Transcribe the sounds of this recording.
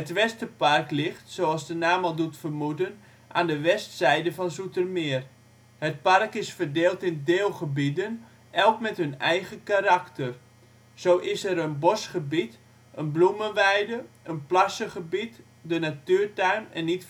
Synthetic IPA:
hətʋɛstəparklɪxtsoɑlˠsdənaːmalˠdutfərmudən | ʔa̰ːndəʋɛstsɛjdəfɔnsutərmɪər | hət̚parkɪsfərdeːlˠtɪndeːlˠχəbidən | ʔɛlˠkmɛthɵnɛjɣəkaɾaktər | z̥owʔɪsɛɾənbosχəbit | ʔənblumənʋɛjdə | ənplasəχəbit | dənatyːrtœɥnɛ̰nːit

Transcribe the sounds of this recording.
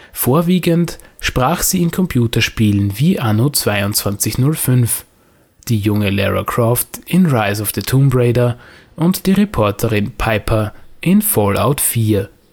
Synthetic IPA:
foːɐviːɡəntʃpʁ̥aːχz̥iːɪnkʰɔmpʰjuːtɐʃpiːlənviːʔanot͡sv̥aɪʊntt͡sv̥ant͡sɪçnʊlfʏnf | d̥iːjʊŋəlɛ̰ʁa̰kʁ̥ɔftɪnʁaɪzɔfð̥ətʰumbʁeɪdɐ | ʔʊntd̥iːʁepʰɔɐtʰəʁɪnpʰaɪpʰɐʔɪnfɔla̰ʊtfiːɐ

